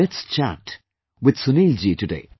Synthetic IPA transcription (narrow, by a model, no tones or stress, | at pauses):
ɛtst͡ʃʰa̰t | wɪd̪̥sʊnild͡ʒitɨdḛɪ